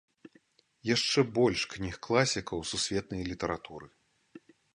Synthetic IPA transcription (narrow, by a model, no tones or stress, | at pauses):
jaʂt͡ʂɛbɔlʲʂknʲixklˠasʲikɐwsusʲvʲɛt̪̚nɐjlʲit̪ɐɾat̪uɾɨ